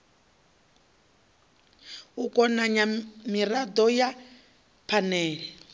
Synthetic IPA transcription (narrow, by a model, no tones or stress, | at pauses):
ukɔnaɲamiradɔja | pʰanɛːɺɛ